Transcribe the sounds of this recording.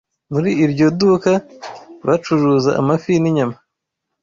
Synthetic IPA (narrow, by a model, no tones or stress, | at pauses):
muɾiʔiɾɟodukaβat͡ʃuɾuzaʔa̰mafiniɲama